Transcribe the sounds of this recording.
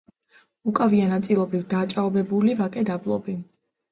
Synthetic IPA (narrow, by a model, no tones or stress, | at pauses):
ukʼavianat̪sʼilˠɔbɾivd̪aːt͡ʃʼaɔbɛbulivakʼɛd̪ablˠɔbi